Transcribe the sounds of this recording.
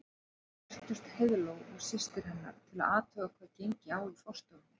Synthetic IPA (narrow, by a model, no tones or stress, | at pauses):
ɛr̥t̪ʏst̪heðlowɣɔ̰ɣsɪst̪ɪɾ̥ɦɛnːa̰ɾ̥t̪ʰɪla̰ðaːt̪œːɣakʰvɛːcejɲcɪaːwifɔr̥st̪ɔɣnɪ̥